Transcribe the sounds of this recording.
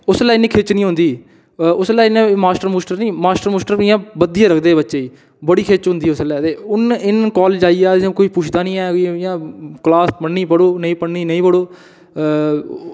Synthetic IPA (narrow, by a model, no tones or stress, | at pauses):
ʊslaːɪnĩːkʰeːt͡ʃnĩːɦʊ̃nd̪iː | ʊslaːinẽːmaːsʈəɾmoːsʈəɾnĩːmaːsʈəɾmoːsʈəɾɪjãːbəd̪ɪjãːɾəkʰd̪eːbətːʃeːiː | bəɽiːkʰeːt͡ʃɦʊ̃nd̪iːʊslɛːt̪eːʊnɪnkɔːld͡ʒaːiãːkoːiːpuːt͡ʃʰd̪aːnĩːɛːɪjãːklaːspəɳːiːpəɽoːnəĩːpəɽniːnəĩːpəɽoː